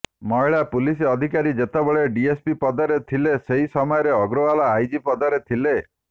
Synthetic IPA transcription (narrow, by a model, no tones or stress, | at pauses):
mɔiɭapuliseɔd̪ʱikaɾid͡ʒet̪abɔɭeɖiespipɔd̪ɔɾet̪ʰileseɦisɔmɔjɔɾeɔɡɾɔʋalaajd͡ʒipɔd̪ɔɾet̪ʰile